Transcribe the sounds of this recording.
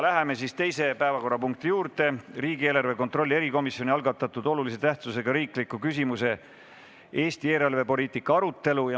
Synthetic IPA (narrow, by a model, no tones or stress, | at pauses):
læɦeme̞sist̪e̞jse̞pæevɑko̞rːɑpuŋk̚t̪ijuːɾt̪e̞riːɡie̞ːlɑrve̞ko̞nt̪ro̞lːie̞ɾiko̞misːjo̞nʲiɑlɡɑt̪ːˑɑt̪ːˑud̪o̞lulise̞t̪æht̪suse̞ɡ̥ɑɾiːklikˑːukys̬ʲimuse̞ | e̞ːst̪ie̞ːlɑlve̞po̞lʲiːt̪ˑikːˑɑɑɾut̪ˑːe̞lujɑ